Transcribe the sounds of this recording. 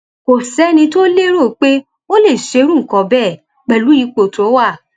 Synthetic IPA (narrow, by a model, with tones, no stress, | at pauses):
ko˨sɛ˨˦nĩ˧to˦le˦ɾo˦˨k͡pe˦ | o˦le˦˨ʃe˨˧˦ɾ̃ũ˦ŋ̩˨kɔ̃˨bɛː˦˨ | k͡pɛ˨lu˨˦i˧k͡po˨to˨˦wa˦˨